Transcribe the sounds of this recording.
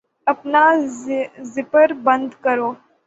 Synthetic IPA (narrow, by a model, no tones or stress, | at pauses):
ɐpna | zɪpəɾbə̃nd̪kəɾoː